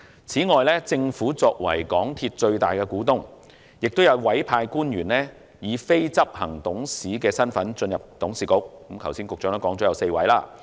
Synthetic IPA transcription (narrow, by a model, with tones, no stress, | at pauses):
t͡sʰiː˨˥ŋɔː˨jlɛː˥t͡sɪ˧ŋfuː˨˥t͡sɔː˧k̚wɐ̰˨˩jkɔː˨˥ŋt̪ʰi˧t̚t͡ʃɵ˧ɥt̪aː˨˩jkɛ˧kuː˨˥t̪ʊ˥ŋ | jɪ˨k̚t̪o˥wjɐ˨˧wwɐ˨˥jpʰaː˧jkuː˥njyː˨˩nlɛː˥ | jiː˨˧fe˥jt͡sɐ˥p̚hɐ˨˩ŋt̪ʊ˨˥ŋsiː˨˥kɛː˧sɐ˥nfɐ˨˥nt͡ʃɵ˧njɐ˨p̚t̪ʊ˨˥ŋsiː˨kʊ˨˥k̚kːmkʰɐ˨˩wsiː˥nkʊ˨k̚t͡ʃœː˨˧ŋt̪ɐ˥kɔː˨˥ŋt͡sɔː˨˥ɐ˨˧wse˧jwɐ̰˨˥jlaː˥